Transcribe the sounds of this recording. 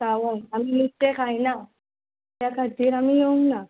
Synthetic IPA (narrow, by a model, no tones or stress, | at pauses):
saʋajamimit̪ːekʰaina | t̪jakʰat̪iːɾamijeuŋɡna